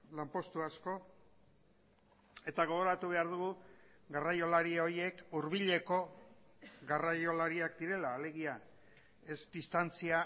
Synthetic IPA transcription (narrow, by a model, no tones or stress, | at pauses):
lampo̞st̪uasko̞ | e̞t̪aɣ̞o̞ɣ̞o̞ɾat̪uβ̞e̞aɾðuɣuɡarajo̞laɾio̞ɾje̞kuɾβ̞iʎe̞ko̞ | ɣarajo̞laɾiakd̪iɾe̞laːle̞ɣ̞ia | e̞zd̪ist̪ant͡sia